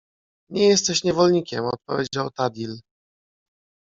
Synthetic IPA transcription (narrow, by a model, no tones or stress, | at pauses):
ɲɛjɛst̪ɛɕɲɛvɔlɲikʲɛmɔt̪̚pɔ̰vʲjed͡ʑawt̪ad̪ʲil